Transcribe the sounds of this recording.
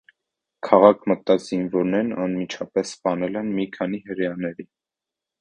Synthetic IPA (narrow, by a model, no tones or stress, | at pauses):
kʰɑʁɑkʰmət̪ːɑz̥invɔɾnɛɾnɑnmit͡ʃʰɑpɛsːpɑnɛlɛnmikʰɑnihəʁjɑnɛɾi